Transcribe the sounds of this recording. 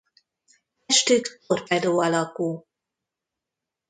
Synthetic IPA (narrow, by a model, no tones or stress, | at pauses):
ɛʃt̪ykorpɛd̪oːɒlɒkuː